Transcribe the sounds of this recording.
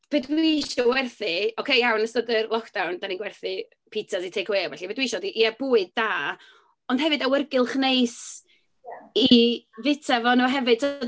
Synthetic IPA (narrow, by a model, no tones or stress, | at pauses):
b̥edwiʃɔwɛrθiɔkʰejjawnəstədɨrlˠɔkʰd̥awndaniɡwɛrθɨ | pʰitʰasitʰejkʰweːwɛɬibedwiʃɔdiʔiɛb̥uːɨd̚ːaː | ɔnd̥ɦɛvɨdawərɡɨlˠχnejs | ivɪtʰavɔnuɦɛvɨd̥̚tʰɔ